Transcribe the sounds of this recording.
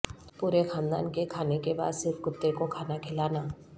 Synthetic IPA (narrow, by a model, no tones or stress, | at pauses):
puːɾexãːnd̪a̰ːnkekʰaːnekeba̰ːd̪sɪɾfʰkʊt̪ːekokʰaːnakʰɪlaːnaː